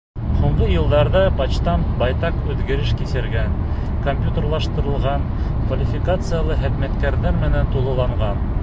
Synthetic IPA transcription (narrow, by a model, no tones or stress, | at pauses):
huɴɢɤjɤ̆lˠd̪ɑɾðɑpɑt͡ɕt̪ɑmbɑjt̪ɑqʉðɡɘ̆ɾɘʃkisɘ̆ɾɡæn | kompʲjut̪erlˠɑʃt̪ɤ̆ɾɤ̆lˠʁɑn | kvɐlʲɪfʲikat̪sɨjalˠɤɦɘ̆pmæt̪kæɾnæɾmɘ̆nænt̪ulˠɤ̆lˠɑɴʁɑn